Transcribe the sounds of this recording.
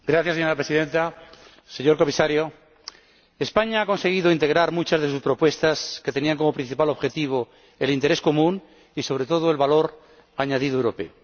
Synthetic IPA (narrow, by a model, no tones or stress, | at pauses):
ɡɾaθjaseɲoɾapɾesiðẽ̞nt̪a | se̞ɲo̞ɾko̞misaɾjo | espaɲaako̞nseɣ̞iðoint̪e̞ɣ̞ɾaɾmut͡ʃazðe̞s̬uspɾo̞pwe̞st̪aske̞t̪e̞niaŋko̞mo̞pɾĩn̟θipalo̞βxe̞t̪iβ̞o | elint̪e̞ɾesko̞mũn | iso̞β̞ɾet̪o̞ð̞oe̞lβalo̞ɾ | aɲað̞iðoewɾo̞pe̞̰o